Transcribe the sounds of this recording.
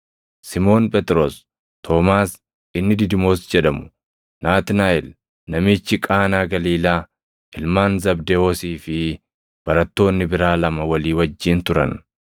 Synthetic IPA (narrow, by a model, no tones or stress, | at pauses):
sɪmo̞ːnpʼɛt̪ɾoːs | t̪ʰoːmaːs | ɪnːɪd̪ɪd̪ɪmo̞ːsd͡ʒɛᶑɐmʊ̥ | naːt̪ɪnaːɪl | nɐmɪt͡ʃːɪkʼaːnaːɡɐliːlaː | ɪlmaːnzɐbd̪eoːsiːfɪ | b̥ɐɾɐt̪ːo̞ːnːɪbɪɾaːlɐmɐwɐliːwɐd͡ʒːiːnt̪ʊɾɐ̰n